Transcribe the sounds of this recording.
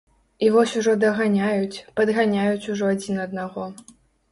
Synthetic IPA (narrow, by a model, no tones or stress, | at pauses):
ivɔsʲuʐɔd̪ɐɣanʲajut͡sʲpɐd̪ɣanʲajut͡sʲuʐɔad͡zʲinɐd̪naɣɔ